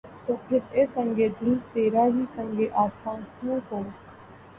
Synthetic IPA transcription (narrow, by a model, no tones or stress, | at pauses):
t̪oːpʰɪɾeːsə̃ŋɡeːd̪ɪlt̪eːɾaːɦiːsə̃ŋɡeːʔaːst̪ʰãːnkjũːɦoː